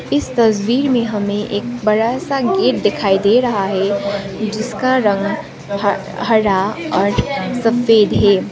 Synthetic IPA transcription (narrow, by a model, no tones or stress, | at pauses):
ɪst̪ɐswiːɾmẽɦɐmẽʔeːk̚bɐɽasaɡeːʈ̚d̪ɪkʰaːid̪eɾɐɦaɦɛ | d͡ʒɪskaɾɐ̃ŋɡ | ɦɐɾaɔːɾsɐfeːd̪ɦɛː